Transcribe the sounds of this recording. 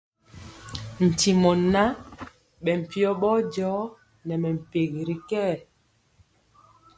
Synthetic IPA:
n̩˨ti˨mɔ˨na˦ | ɓɛ˨m̩˨pi˦ɔ˦ɓɔ˦d͡ʒɔː˨˦ | nɛ˨mɛ˨m̩˨pe˨ɣi˨ɾi˨˦kɛ˦˨

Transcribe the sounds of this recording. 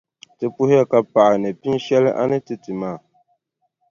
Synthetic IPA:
tɨ˨pʊ˦hɪ˦ja˦ka˨pa˨ʔa˨nɨ˨pi˦nʃɛ˦lɨ̰˦ʔa̰˦nɨ˦tɨ˨tɨ˨maː˦˨

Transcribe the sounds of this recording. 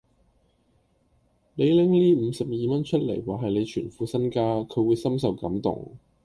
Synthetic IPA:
ne˨˧jlɪ˥ŋliː˥m̩ː˨˧sɐ˨p̚jiː˨mɐ˥nt͡ʃʰɵ˥t̚lḛ˨˩jwaː˨˩ɦɐ˨jle˨˧jt͡ʃʰyː˨˩nfuː˨˥sɐ˥nkaː˥kʰɵ˨˧ɥwuː˨˧jsɐ˥msɐ˨wkɐ̰˨˥mt̪ʊ̰˨˩ŋ

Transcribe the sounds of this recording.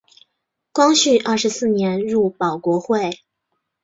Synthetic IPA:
kwɑ˥ŋɕy˥˧ʔɐ˞˥˩ʂɻ̩˧˥sɹ̩˥˩njɛ˧˥nɻu˥˩pɑ˨˩ʊkwɔ˧˥xwe˥˩ɪ

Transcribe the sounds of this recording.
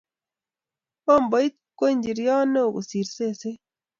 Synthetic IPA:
o˦mbɔ˨i˦t̚ | kwo˦ɲd͡ʒi˨ɾjɔ˦no˦˨ɡo̰˨si˨ɾse˦˨se˦

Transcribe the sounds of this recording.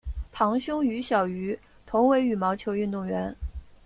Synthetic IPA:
t̪ʰɑ˧˥ŋɕjʊ˥ŋy˧˥ɕjɑ˨˩ʊy˧˥ | t̪ʰʊ˧˥ŋwe˧˥ɪy˨˩mɑ˧˥ʊt͡ɕʰjo˧˥ʊy˥˧nt̪ʊ˥˩ŋɥɛ˧˥n

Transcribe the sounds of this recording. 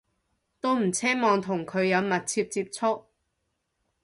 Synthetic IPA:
t̪o˥wm̩˨˩t͡sʰɛː˥mɔː˨ŋt̪ʰʊ˨˩ŋkʰɵ˨˧ɥjɐ˨˧wmɐ˨t̚t͡sʰiː˧p̚t͡siː˧p̚t͡sʰʊ˥k̚

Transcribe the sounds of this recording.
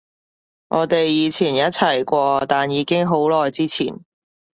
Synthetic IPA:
ŋʔɔː˨˧t̪e˨jːiː˨˧t͡sʰiː˨˩njɐ˥t̚t͡sʰɐ˨˩jkʷɔː˧t̪aː˨njiː˨˧kɪ˥ŋɦo˨˥wlɔː˨jt͡siː˥t͡sʰiː˨˩n

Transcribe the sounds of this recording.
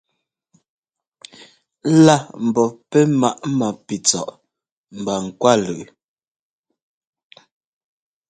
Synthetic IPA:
la˦˨m̩˨bɔ˨pɛ˦ma˦˨ʔma˨pi˨t͡sɔ̰˨ʔ | m̩˨ba˨ŋ̩˨kwa˦lʉ˨ʔ

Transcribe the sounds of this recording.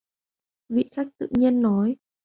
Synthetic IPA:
vḭ˧˨xaː˦˥k̚t̪ɨ̰˧˨ɲi˧ənːɔ˨˦j

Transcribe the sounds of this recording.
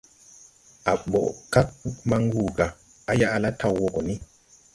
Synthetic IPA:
ʔa˨ɓɔ̰˨ʔka˦k̚ma˦ŋwuː˨ɡa˨ | a˦ja˦ʔa˨la˦tʰa˦wːɔ˨ɡɔ˨ni˦

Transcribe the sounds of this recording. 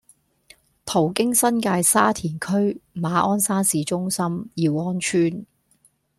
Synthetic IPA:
t̪ʰo˨˩wkɪ˥ŋsɐ˥nkaː˧jsaː˥t̪ʰiː˨˩nkʰɵ˥ɥmaː˨˧ʔɔː˥nsaː˥nsiː˨˧t͡ʃʊ˥ŋsɐ˥mjiː˨˧wɔː˥nt͡ʃʰyː˥n

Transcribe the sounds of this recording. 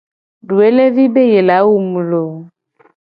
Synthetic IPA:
ɖu˨e˦le˦vi˦be˦je˨la˨˦wu˦mũ˨lo˨

